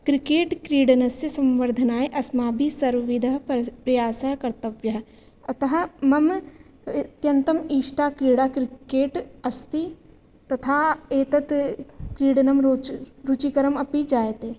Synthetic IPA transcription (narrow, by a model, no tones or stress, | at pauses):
kɾɪkeːʈkɾiːɽɐnɐsjsɐ̃mʋəɾd̪ʱɐnaːeʔɐsmaːbʱisɐɾʋɐʋɪd̪ʱɐɦpɾɐjaːsɐɦkɐɾt̪ɐʋjɐɦ | ɐt̪ɐɦɐmɐm | t̪jɐ̃nt̪ɐmiːʃʈaːkɾiːɽaːkɾɪkeːʈɐst̪i | t̪ɐt̪ʰaːeːt̪ɐt̪kɾiːɽɐnɐmɾut͡ʃikəɾəmɐpid͡ʒaːjt̪eː